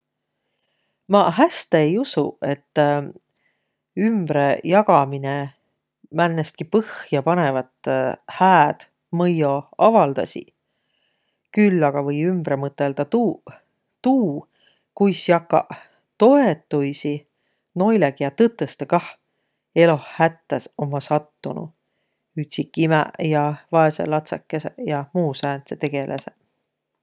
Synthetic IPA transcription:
mɑɦæst̪eejusṵe̞t̪ː | ymb̥ɾe̞jɑɡ̥ɑmine | mænːest̪̚kipɤhjɑpɑnevɑt̪ˑhæːd̪̥ | mɤjo̞ɑvɑld̪̥ɑ̰sʲḭ | kylːɑɡ̥ɑvɤjymb̥ɾe̞mɤt̪ːˑe̞ld̪̥ɑt̪u | t̪uː | kujsjɑkːɑ̰ | t̪o̞et̪ːujsi | no̞jleɡ̥ijɑt̪ɤt̪ːˑest̪ekɑh | e̞lo̞hhæt̪ːeso̞mːɑsɑt̪ːunṵ | yt̪ʲsikːˑimɛ̰jɑvɑesḛlɑt̪sḛkːesḛjɑmuːsæːnset̪e̞ɡ̥e̞lʔḛse

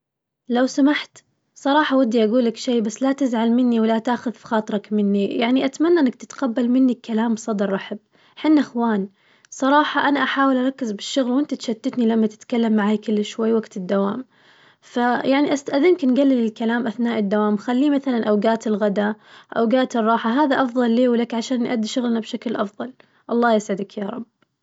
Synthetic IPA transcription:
lawsamaħt̪ | sˤɑɾˤɑːħɑwad̪ːiʔaɡuːlakʃeːbasːlat̪ɪzʕalmɪnːiwɪlat̪aːxʊðfxɑːt̪ˤɾˤɑkmɪnːijaʕniʔat̪manːaʔɪnːak̚t̪ɪt̪qabːalmɪnːikːalaːmsˤɑd̪ɾˤʔɑħɪb̚ | ħɪnːaʔaxwaːn | sˤɑɾˤɑːħɑʔanaʔaħaːwɪlʔɑɾˤɑkːɪzbɪʃːʊɣlwɪnt̪at̪ʃat̪ːɪt̪nilamːat̪ɪ̥t̪kalːamːaʕaːjkɪlːʃwajːwaɡt̪ɪd̪ːawaːm | fajaʕniʔast̪aʔaðɪmknɡalːɪlːɪlkalaːmʔaθnaːʔɪd̪ːawaːmxalːiːmaθalanʔawɡaːt̪ɪlɣad̪aʔa̰wɡaːt̪ɨrˤːɑːħaɦaːðaʔɑfðˤɑlːeːwlakʕaʃaːnːʔad̪ːiʃʊɣlnabʃaklʔɑfðˤɑl | ʔɑlˤːɑːjɪsʕɪd̪akjɑɾˤɑ̰bː

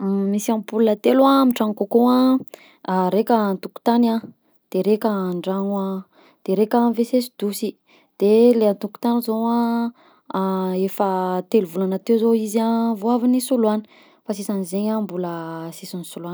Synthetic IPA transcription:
misiampulnət̪elwamiʈ͡ʂaŋkokua | ɾekʲant̪uku̥t̪ana | d̪̥eɾekʲaɳɖ͡ʐaŋwa | d̪̥eɾekʲanvesesi̥d̪usi | d̪̥eleant̪uku̥t̪anizowa | efət̪eluvulanat̪ewzoizavoavinisuluanə̥ | fasisanizeɲambuləsisanisuluan

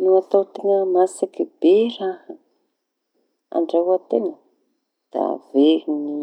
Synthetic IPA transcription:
nuat̪awt̪iŋəmasakiberahə | a̰ɳɖ͡ʐaɦuat̪enə | d̪̥a̰veɾini

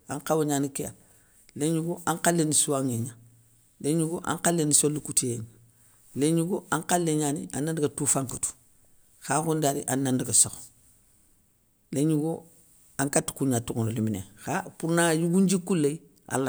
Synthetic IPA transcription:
aŋkawoɲaːnikeja̰ | leɲuɡoʔaŋkalːenisuaŋeɲa | leɲuɡoʔa̰ŋkalːenisolːikutijen | leɲuɡoaŋkalːeɲaːnianːandiɡatufaŋkutu̥ | xaːkundaɾiʔanːandiɡasoxo̥ | leɲuɡo | aŋkatːu̥kuɲatuŋooliminḛxapuɾnajuɡuɲd͡ʒikulːei | a̰lːa

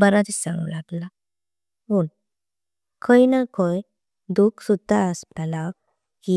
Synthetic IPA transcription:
bəɾat̪isãŋɡṵlaɡla | un | kʰəinakʰoj | d̪ukʰsud̪ʱːaəspɛla | ki

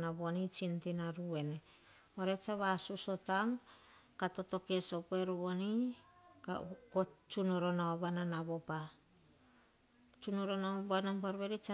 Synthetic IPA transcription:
naβonit͡ʃintinaɾue̞ne | oɾet͡ʃaβasuso̞taŋ | kato̞to̞kesopoeɾoβo̞ni | kakot͡ʃunoɾonaoβananaβo̞pa | t͡ʃunoɾonabananpaɾβeɾit͡ʃa

